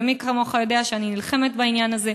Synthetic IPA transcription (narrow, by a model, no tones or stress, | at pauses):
mikamo̞χajo̞d̪eaʃeaninilχe̞met̪bainjanaze̞